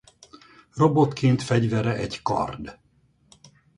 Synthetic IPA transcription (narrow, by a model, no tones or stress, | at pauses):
robo̞t̪kʰeːnt̪fɛɟvɛɾɛʔɛɟkɒ̰rd̪